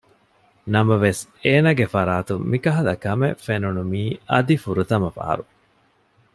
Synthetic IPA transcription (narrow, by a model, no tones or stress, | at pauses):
nɐmɐʋeseːnɐɡefɐɾaːt̪umikɐɦɐlɐkɐmefenunumiːʔɐd̪ifuɾut̪ɐmɐfa̰ːɾu